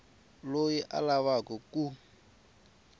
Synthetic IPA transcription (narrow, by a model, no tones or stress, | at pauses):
lojiʔa̰laβakɔkʼu